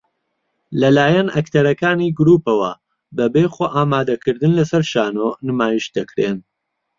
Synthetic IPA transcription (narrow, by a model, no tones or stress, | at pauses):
lɐlaːjɐnʔɐkt̪ʰɐɾɐkaːniɡɾuːpɐwɐ | bɐbexoːʔaːmaːd̪ɐkɨɾd̪ɨnlɐsɐɾʃaːnonɨmaːjiʃd̪ɐkɾen